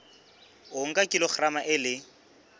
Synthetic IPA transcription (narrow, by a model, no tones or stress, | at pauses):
ʊŋ̩kʼakʼilɔχʰramaʔɪlɪ